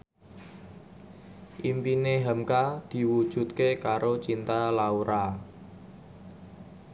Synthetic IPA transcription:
ʔimpineɦamkad̪̥i̤wud̥ʒ̥ṳt̪̚kekaɾot͡ʃint̪alauɾa

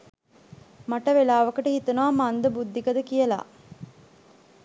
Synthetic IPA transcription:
maʈɐʋelaːʋɐkəʈəhit̪unaːmand̪əbud̪ʱːikɐd̪əkijɐla̰ː

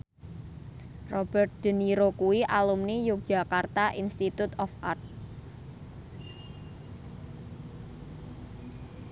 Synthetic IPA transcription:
rɔb̥ərt̪̚d̪̥ə̤niɾokuwiʔalumnijʊk̚d̥ʒ̥a̤kart̪aʔinst̪it̪ut̪ɔfʔart̪̚

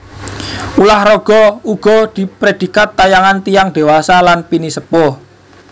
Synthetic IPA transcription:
ulahrɔɡ̥ɔ̤uɡ̥ɔ̤d̪̥i̤pɾed̪̥i̤kat̪ːajaŋant̪ijaŋd̪̥e̤wasalanpinisəpɔ

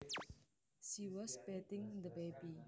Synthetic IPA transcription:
ʃiwɔsbɛt̪ɪ̃ŋd̪əbebi

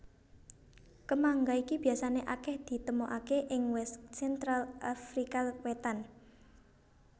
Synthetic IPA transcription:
kəmaŋɡaikib̥i̤asaneʔakɛhd̪̥i̤t̪əmoʔakeʔɪŋwɛssɛnt̪ɾalafɾikawet̪an

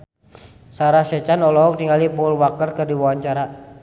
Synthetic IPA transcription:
saɾasɛt͡ʃanɔlɔɦɔk̚t̪iŋalipɔlwakərkərdiwawaɲt͡ʃaɾa

